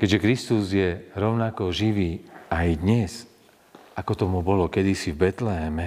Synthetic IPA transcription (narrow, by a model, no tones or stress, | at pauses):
kɛʒɛkɾist̪uzjɛɾɔʊnakɔʒiʋiːajd̪ɲɛz | ʔakɔt̪ɔmubɔlɔkɛd̪isivbɛt̪lɛɦɛmɛ